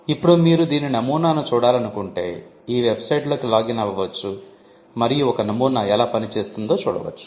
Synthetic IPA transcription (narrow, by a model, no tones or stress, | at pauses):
ipːuɽumiːɾud̪iːninɐmuːnaːnut͡ʃuːɽaːlɐnukuɳʈe̞̰ː | iːʋebsɐjʈloːkilaːɡinɐʋɐʋɐt͡ʃːu | mɐɾijuɔkɐnɐmuːnaːɛlaːpɐnit͡ʃe̞ːst̪und̪o̞ːt͡ʃṵːɽɐ̰ʋɐ̰t͡ʃːu̥